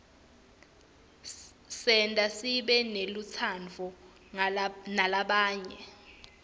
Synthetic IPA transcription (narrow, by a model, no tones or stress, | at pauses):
sɛntʼasiɓɛnelut͡sʰant͡fɔ | nalaɓaːɲɛ